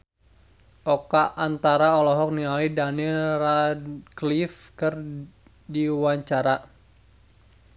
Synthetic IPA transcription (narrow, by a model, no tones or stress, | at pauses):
ʔɔkaʔant̪aɾaɔlɔɦɔk̚niŋalidanilraklifkɨr | diwaɲt͡ʃaɾa